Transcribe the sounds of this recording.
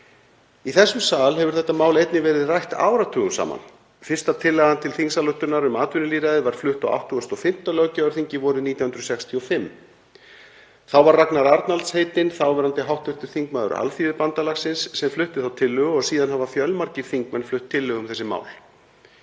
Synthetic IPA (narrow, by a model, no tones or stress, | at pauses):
iθɛsːʏmsaːlhɛvʏɾ̥θɛht̪ːamaːwlejt̪nɪvɛːɾɪðrajht̪a̰ːwɾat̪ʰʏːɣʏsa̰ːma̰n | fɪrst̪at̪ʰɪlːɛɣant̪ʰɪlθiŋsalœht̪ʏɾnaɾʏmaːt̪vʏnʏliːɾaðɪvaɾ̥flʏht̪a̰wʔa̰wht̪ʰːʏɣɔst̪ɔfɪm̥t̪alœɣcaʏɾθiɲcɪvɔɾʏðniːt̪jawhʏnɾsɛkst̪ʰiɔfɪmː | θawvaɾraknaɾaɾt̪nalt̪sheːjt̪ɪnθawvɛːɾant̪ɪɦawht̪ʏht̪ʏɾ̥θiŋkmaːðʏ̰ɾa̰lfivɪpant̪alaxsɪnsːɛmflʏht̪ɪ̥θawt̪ʰɪlːʏɣɔɣsiːðanhavafjœlmaɾcɪfiŋkmɛnflʏht̪ʰːɪlːʏɣʏmθɛsːɪma̰ːwl